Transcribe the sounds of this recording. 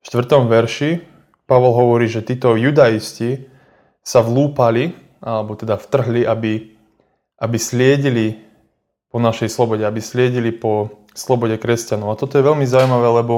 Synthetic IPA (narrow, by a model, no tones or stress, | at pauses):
ʃt̪ʋr̩t̪ɔmʋɛɾʃi | paʋɔlɦɔʋɔɾiːʒɛt̪iːt̪ɔjud̪aisci | saʋluːpali | ʔalɛbɔt̪ɛd̪aft̪r̩ɦliʔabi | ʔabislɪɛɟili | pɔnaʃɛjslɔbɔɟɛabislɪɛɟilipɔ | slɔbɔɟɛkɾɛscanɔʊat̪ɔt̪ɔjɛʋɛlmizaujmaʋɛːlɛbɔ